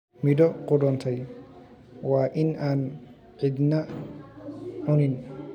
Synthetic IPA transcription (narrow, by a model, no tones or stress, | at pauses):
midɔquɖɔnt̪ʰaj | waʔinan | ʕid̪na | unin